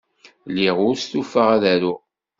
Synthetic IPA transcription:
liʁʊɾst̪ufəʁaðæɾʊʁ

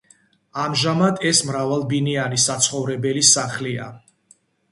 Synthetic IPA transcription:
amʒamad̪ɛsmɾavalˠbinianisat̪sʰχɔvɾɛbɛlisaχlia̰

